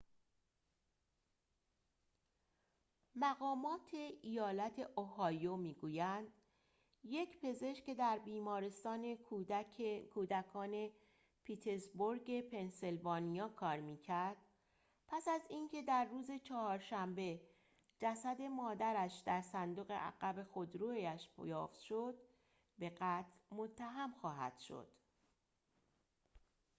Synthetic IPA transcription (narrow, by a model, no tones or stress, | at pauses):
mæɣɒːmɒːt̪ʰeʔijɒːlæt̪ʰe̞ʔohɒːjomiːɡuːjænd̪̥ | je̞cpʰe̞ze̞ʃce̞d̪æɾbiːmɒːɾest̪ɒːne̞ | kʰuːd̪ækʰɒːne | pʰiːt̪ʰeɾzboɾɟe̞pʰe̞nselvɒːnijɒːkʰɒːɾmiːcʰæɾd̪̥̚ | pʰæsæziːncʰe̞d̪æɾːuːze̞t͡ʃʰɒhɒːɾʃæmbe̞ | d͡ʒæsæd̪e̞mɒːd̪æɾæʃd̪æɾsænd̪oɣe̞̰ʔæ̰ɣæbe̞xod̪ɾuːæʃpjɒːft̪ʃod̪ | be̞ɢæːt̪ʰlmo̞t̪ʰːæɦæmxɒːɦæ̰d̪̥ʃo̞̰d̪̥